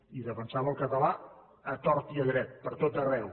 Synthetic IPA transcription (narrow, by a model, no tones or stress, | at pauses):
iðəfənsaβəlˠkət̪əla | ət̪ɔɾt̪iəɣɾɛt̪̚pəɾt̪ot̪ərɛw